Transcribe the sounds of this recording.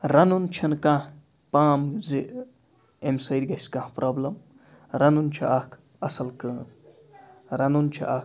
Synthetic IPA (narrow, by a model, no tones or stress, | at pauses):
ɾɐnunt͡ʃʰɐnkãh | paːmzi | emsɐid̪ʲɡɐsʲkãhpɾʔɐːblɐm | ɾɐnunt͡ʃʰɐ̰ʔakʰ | ɐsɐlkəː | ɾɐnunt͡ʃʰḭʔa